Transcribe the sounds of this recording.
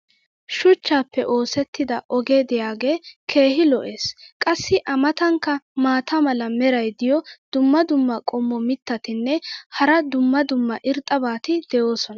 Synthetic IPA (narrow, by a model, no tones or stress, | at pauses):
ʃʊt͡ʃːaːpːɛʔo̞ːsɛt̪ːɪd̪ɐʔɔɡeːd̪ɪjaːɡe̞ːkʰe̞ːhɪlɔʔe̞ːskʼɐsːɪʔɐmɐt̪ɐŋkːɐmaːt̪ʰɐmɐlɐmɛɾɐjd̪ɪjɔd̪̥ʊmːɐd̪ʊmːɐkʼɔmːɔmɪt̪ːɐt̪ɪnːɛhɐɾɐd̪ʊmːɐd̪ʊmːɐʔɪɾt̪ʼːɐbaːt̪ɪd̪̥ɛjo̞ːsɔnɐ